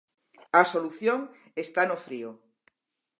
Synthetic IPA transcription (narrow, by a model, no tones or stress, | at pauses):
asoluθjoŋ | est̪anofɾio